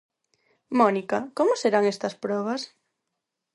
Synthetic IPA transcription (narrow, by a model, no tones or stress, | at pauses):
mɔnikakomʊseɾaŋest̪ɐspɾɔβ̞ɐs